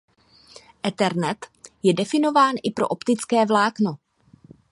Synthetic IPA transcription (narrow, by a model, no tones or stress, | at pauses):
ʔɛt̪ɛɾnɛt̪jɛdɛfɪno̞vaːnʔɪpɾoʔopt̪ɪt͡skɛːvlaːkno̞